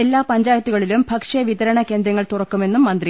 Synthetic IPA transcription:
e̞lːaːpɐɲd͡ʑaːjɐt̪ːuɣɐɭilumbʱɐkʂɐʋiðɐɾɐɳɐke̞ːnd̪ɾjɐŋːɐɭt̪urɐkːume̞nːumːɐnd̪ri

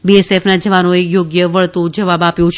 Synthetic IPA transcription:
biesefnad͡ʒəʋanoejoɡjəʋəɭt̪õd͡ʒəʋabapjõt͡ʃʰ

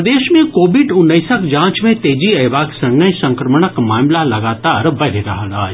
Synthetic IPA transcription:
d̪eːʃmẽkoːbɪɖʊnːəɪsəkd͡ʒãːt͡ʃmẽt̪eːd͡ʒiɐʋaːksɐ̃ŋnəjsɐ̃ŋkɾəməɳ̃əkmaːmlalɐɡaːt̪aːɾbɐɾɾɐɦala̰ː

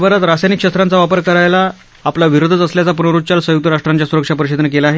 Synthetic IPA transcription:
bəɾat̪ɾasajnikʂəst̪ɾãnt͡saʋapəɾkəɾajlaː | plaʋiɾod̪ʱət͡s̪əsljat͡sapunəɾut̪t͡ɕalsəjukt̪əɾaʂʈɾaɲt͡ɕjasuɾəkʂapəɾiɕed̪ʱnəkelaːɦe

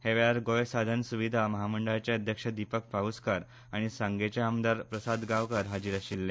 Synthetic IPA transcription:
heʋeaɾɡojsad̪ʱənsuʋid̪ʱaməɦaməɳɖəɭat͡ɕeəd̪ʱjəkʂəd̪ipək̚paɦuskaɾ | aɽ̃isãŋɡet͡ɕeamd̪aɾpɾəsad̪ɡaʋkəɾɦad͡ʑiɾaɕilːe

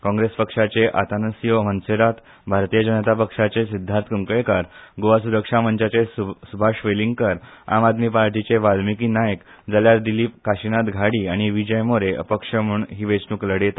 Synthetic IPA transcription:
kɔ̃ŋɡɾespəkʂat͡seʔa̰t̪anəsjomənseɾat̪ | bʱaɾt̪ijəd͡ʑənət̪apəkʂat͡sesid̪ʱːaɾt̪ʰkəŋkɭekaɾɡoʋasuɾəkʂaməɲt͡ɕat͡sesubʱaʂʋeliŋɡkəɾa̰mad̪miːpaɾʈit͡ɕeʋalmikiːnajək | d͡zaljaɾd̪iliːkaɕinat̪ɡʱaɽiːaɽ̃iʋid͡ʑəjmoɾeʔə̰pəkʂəmuːɳɦiːʋet͡snuːkləɽjet̪a

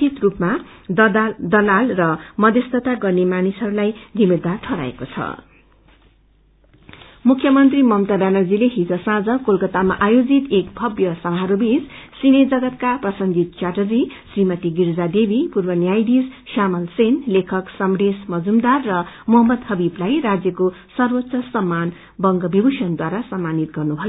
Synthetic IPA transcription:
t̪it̪rupma | d̪ʌlalrʌmʌd̪ʱʌst̪ʌt̪aɡʌrnemanisɦʌɾulajd̪ʱimed̪arʈʰʌɾa̰ḛkot͡sʰʌ̰ | mukʰjʌmʌnt̪rimʌmt̪abanʌrd͡zileɦid͡zosãd͡zʌkolkʌt̪amaʔajod͡zit̪ek̚bʱʌbjʌsʌmaɦʌɾubit͡ssined͡zʌɡʌt̪̚kaprʌsʌnɡit̪̚t͡ʃaʈʌd͡zisrimʌt̪iɡiɾd͡zad̪ebipurbʌnjajd̪isʃamʌlsenlekʰʌksʌmresmʌd͡zumd̪arːʌmuɦʌmːʌd̪hʌbiblajrad͡zjʌkosʌrwʌt̪ːsʌsʌmːan | bʌŋɡʌbibuʃʌnd̪waɾasʌmːanit̪̚ɡʌrnubʱʌjoo

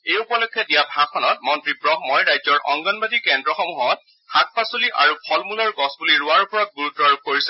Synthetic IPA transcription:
ejupɔlɔkʰːɔdijabʱakʰɔnɔt̚mɔntɹibɹɔɦmɔjɹajzɔɹʔɔ̰ŋɡɔnbadikɛndɹɔxɔmuɦɔt̚ | hak̚pasoliʔaɹupʰɔlmulɔɹɡɔsbuliɹuaɹupɔɹɔt̚ɡuɹutːɔɹub̚koɹisɛ

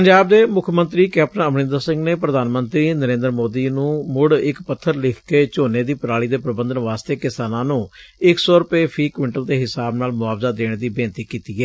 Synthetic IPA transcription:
pəɲd͡ʒaːb̚d̪eːmʊkʰmənt̪ɾiːkɛːpnəəmnɪ̃nd̪əɾsɪ̃ŋɡneːpɾəd̪aːnmənt̪ɾiːnəɾẽːnd̪ɾmoːd̪iːnũːmʊɽɪkpət̪ʰːəɾlɪkʰkeːt͡ʃoːneːd̪iːpəɾaːɭiːd̪eːpɾəbənd̪ənʋaːst̪eːkɪsaːnãːnũːɪksɔːɾʊpeːpʰiːkʋɪɳʈəld̪eːɦɪsaːbnaːlmʊaːʋzaːd̪eːɽ̃d̪iːbeːnt̪iːkiːt̪iːɛː

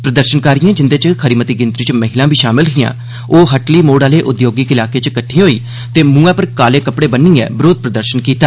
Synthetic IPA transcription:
pɾəd̪əɾʃənkaːɾijãːd͡ʒɪnd̪eːt͡ʃkʰəɾiːmət̪iːɡɪnt̪ɾit͡ʃməɦɪlãːbʱiːʃaːmɪlɦɪjã̰ː | oːɦəʈliːmoːɽaːleːʔʊd̪joːɡikɪlaːkeːt͡ʃkəʈʰːiːɦoːiː | t̪eːmũːãːpəɾkaːleːkəpɽeːbənːiːɛ̰ːbɾoːd̪̚pɾəd̪əɾʃənkiːt̪aː

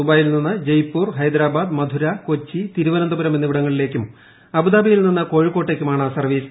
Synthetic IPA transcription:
ubaːjilninːɨd͡ʑɐjpːuːrɦɐjd̪ɾaːbaːd̪mɐd̪ʱuɾɐko̞t͡ɕːit̪iɾuʋɐnɐnd̪ɐbɐɾɐmʋenːiʋiɽɐŋːɐɭile̞ːkʲːum | ɐbud̪aːbɐjilninːɐko̞ːɻikːo̞ːʈːe̞ːkʲːumaːɳɨsɐrʋiːs

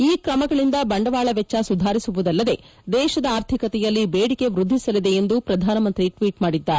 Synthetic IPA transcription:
iːkɾɐmɐɡɐɭind̪ɐbɐɳɖɐʋaːɭɐʋɛt͡ʃːɐsud̪ʱaːɾisuʋud̪ɐlːɐd̪e̞ | d̪ɛːʃɐd̪ɐaːɾt̪ʰikɐt̪ɛjɐlːibeːɽike̞ʋɾud̪ʱːisɐlid̪e̞ːnd̪upɾɐd̪ʱaːnɐmɐnt̪ɾiʈʋiːʈmaːɽid̪ːaːɾ

